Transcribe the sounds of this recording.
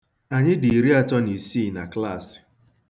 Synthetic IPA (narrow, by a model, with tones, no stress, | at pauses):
a˨ɲɪ˦di˨ɾi˦a˦tɔ˦ni˨si˦˨na˨kla˦˨sɪ̥˨